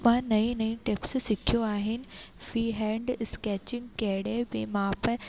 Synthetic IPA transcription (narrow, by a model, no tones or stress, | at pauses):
mãːnɐĩnɐĩʈɪpssɪkʰijoaːɦɪnɪ̆fɾiːɦɛ̃ːɳɖɪskɛːt͡ɕɪ̃ŋɡkɐɦɪɽebɪmãːpɐɾ